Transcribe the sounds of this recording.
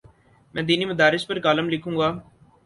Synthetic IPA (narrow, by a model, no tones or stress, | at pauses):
mɛ̃ːd̪iːnimɐd̪aːɾɪspəɾkaːləmlɪkʰũːɡaː